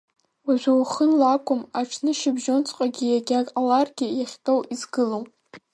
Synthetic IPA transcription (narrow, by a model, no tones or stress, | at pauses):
waʒʷᶣawχənlakʷʰʼʊmaʈ͡ʂʰnɨʃɪbʒont͡sʰʼqʼaɡʲɪjaɡʲaalarɡʲɪjaχʲtʼo̞wizɡɨlow